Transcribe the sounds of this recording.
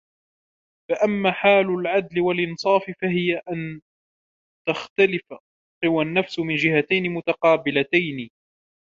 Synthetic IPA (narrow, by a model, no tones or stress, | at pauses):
faʔamːaːħaːlʊlʕad̪lɪwalʔɪnsˤɑːfɪfahɪjaʔan | t̪axt̪alɪfa | qɨwanːafsmɪnd͡ʒɪhat̪ajnɪmʊt̪aqɑːbɪlat̪ajnɪ